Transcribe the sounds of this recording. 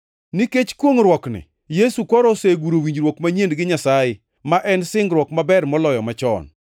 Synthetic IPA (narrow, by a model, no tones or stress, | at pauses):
niket͡ʃkwoŋɾwɔknɪ̰ | jesukɔɾɔseɡuɾowiɲd͡ʒɾwokmaɲendɡɪɲasajɪ | maʔɛnsɪŋɡɾwɔkmabɛrmɔlɔjɔmat͡ʃɔ̰n